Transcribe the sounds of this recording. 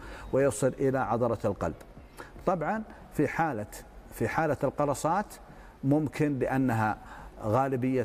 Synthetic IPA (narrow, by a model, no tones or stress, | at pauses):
wɪjɑsˤɨlʔɪlaʕɑðˤɑɾˤɑlqɑ̰lb̥ | t̪ˤɑbʕɑn | fiħaːlafiħaːlaɪlqɑɾˤɑsˤɑːt̪ | mʊmkʰɪnlɪʔanːaɦaɣaːlɪbɪjːa